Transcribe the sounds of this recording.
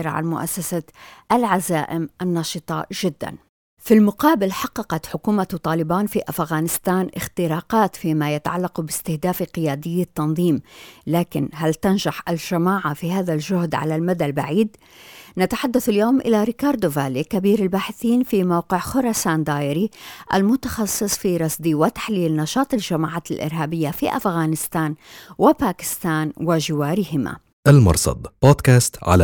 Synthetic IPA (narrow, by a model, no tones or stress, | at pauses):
ɾʕa̰nmʊ̰ʔa̰sːasaʔalʕazaːʔɪmʔɪnːɑːʃɨt̪ˤɑ̰ʒɪd̪ːa̰n | filmʊqɑːbɪlħɑqːɑqɑt̪ħʊkuːmat̪ˤɑːlɪbaːnfiʔafɣaːnɪst̪aːnʔɪxt̪ɪɾɑːqɑːt̪fiːmajat̪aʕalːaqubɪst̪ɪhd̪aːfqɪjaːd̪ɪjːat̪ːɑnðˤiːmlaːkɪnɦalt̪anʒaħʔalʒamaːʕafihaːðalʒʊhd̪ʕa̰lalmad̪albaʕiːd̪ | nat̪aħad̪ːaθɪljoːmʔɪlaɾɪkɑːɾˤd̪ʊvaːlikabiːɾɪlbaːħɪθiːnfimawqɪʕxʊɾˤɑsaːnd̪aːjɪɾiʔa̰lmʊt̪ḁxɑsˤːɨsˤfiɾˤɑsd̪iwɪt̪ḁħliːlnɑʃɑːt̪ˤɪlʒamaːʕaːt̪ɪlʔɪ̰ɾɦaːbɪjːafiʔa̰fɣaːnɪst̪aːnwɪpaːkɪ̥st̪aːnwɪʒɪwaːɾɪhɪma̰ | ʔalmɑ̰ɾˤsˤɑ̰d̪ˤb̥oːd̪kaːst̪ʕa̰l